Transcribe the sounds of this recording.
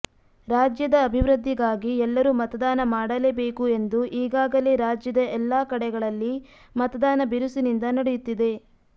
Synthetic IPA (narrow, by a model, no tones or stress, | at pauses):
ɾaːd͡ʒjɐd̪ɐːbʱiʋɾɨd̪ʱːiɡaːɡiɛlːɐɾuːmɐt̪ɐd̪aːnɐmaːɽɐleːbe̞ːkue̞nd̪uʔiːɡaːɡɐle̞ːɾaːd͡ʒjɐd̪ɐɛlːaːkɐɽɛɡɐɭɐlːi | mɐt̪ɐd̪aːnɐbiɾusunind̪ɐnɐɽejut̪ːid̪e̞